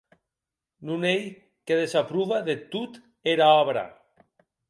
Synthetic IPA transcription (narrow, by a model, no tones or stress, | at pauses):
nunej | keðesapɾuβaðet̪ut̪ | eɾaɔβɾa̰